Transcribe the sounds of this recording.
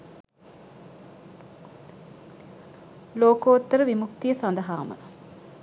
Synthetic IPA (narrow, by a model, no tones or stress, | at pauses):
loːkoːt̪ːəɾəʋimuk̚t̪ijəsɐnd̪ɐɦaːmə̰